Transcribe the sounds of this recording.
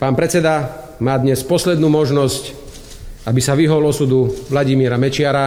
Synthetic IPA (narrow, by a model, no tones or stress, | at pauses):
paːnpɾɛt͡sɛd̪a | maːd̪ɲɛspɔslɛd̪nuːmɔʒnɔsc | abisaʋiɦɔlɔsud̪uʋlaɟimiːɾamɛt͡ʃɪaɾa